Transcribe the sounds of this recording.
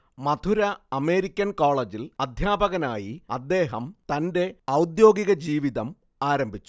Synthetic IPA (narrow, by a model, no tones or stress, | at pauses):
mɐt̪ʰuɾɐɐme̞ːɾikʲːɐnkoːɭed͡ʑilɐd̪ʱjaːbɐɣɐnaːjiɐ̰d̪ːe̞ːɦɐmt̪ɐnde̞ɐwd̪jo̞ːɡiɣɐd͡ʑiːʋiðɐm | aːɾɐmbʱit͡ɕːu̥